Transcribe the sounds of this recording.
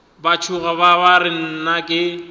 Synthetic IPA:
bat͡ʃʰʊɣababaɾɪn̩nakʼɪ

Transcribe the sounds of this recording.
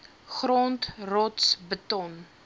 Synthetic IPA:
χroːntrɔtsbətɔn

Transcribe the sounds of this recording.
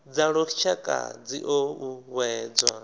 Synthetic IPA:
d͡zaɺɔt͡ʃʰakʼa̰d͡ziʔouwɛːd͡zwa

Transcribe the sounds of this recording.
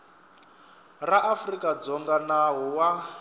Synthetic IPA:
raʔafrikʼad͡zɔŋɡanaɦɔwa

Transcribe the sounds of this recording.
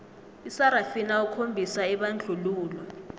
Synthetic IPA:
isaɾafinaukʰombʱisaɛɓand͡ɮʱuluːlwa

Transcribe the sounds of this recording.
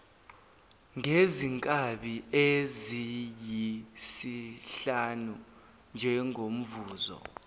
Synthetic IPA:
ŋeziŋkʼaɓiezijisiɬanu | nd͡ʒʱɛŋʱom̩vuːzɔ̰

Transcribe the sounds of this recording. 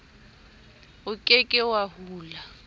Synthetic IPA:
ʊkʼekʼɪwahuːla

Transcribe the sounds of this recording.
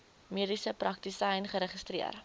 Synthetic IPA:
miədisəprɐk̚tisɐjnχəɾəχəstriə̰r

